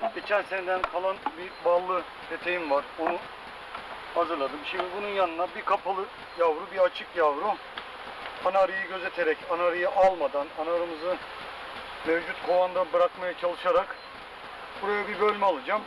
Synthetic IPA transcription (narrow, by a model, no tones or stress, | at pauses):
ɟet͡ʃʰæɾsend̪ænkʰalˠanbibalˠːɯ | t̪ʰet̪ʰe̞jimvaɾonu | hazɯɾlˠad̪ɯmʃimd̪ibununjanɯnabikʰapʰalˠɯ | javɾubiɾat͡ʃʰɯkjavɾu | anaɾɯjɯɟø̞ze̞t̪ʰeɾɛcanaɾɯjɯʔalˠmad̪ananaɾɯmɯzɯ | mɛvd͡ʒut̪kʰovand̪anbɯɾakmajat͡ʃʰalˠɯʃaɾak | buɾajabibø̞lʲmɛalˠɯd͡ʒam